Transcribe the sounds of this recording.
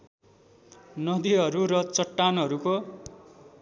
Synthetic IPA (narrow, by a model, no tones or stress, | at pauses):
nʌd̪iɦʌɾuɾʌt͡sʌʈːanʌɾuko